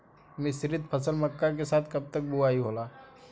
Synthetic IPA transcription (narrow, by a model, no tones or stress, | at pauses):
mɪsɾɪd̪̚pʰəsəlməkːak̬esaːt̪ʰkɐb̚t̪ək̚buaːiɦoːlaː